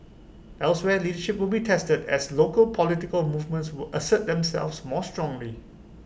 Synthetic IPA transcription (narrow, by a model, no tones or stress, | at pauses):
ʔɛlswɛliːdəʃɪp̚wɪlbitʰɛstədɛ̰slokəlpʰɔlɪtɪkəlmuvmə̃ntswɪlʔəsət̚d̪ɛ̃msɛ̰lfsmɔːstɹɔ̃ŋli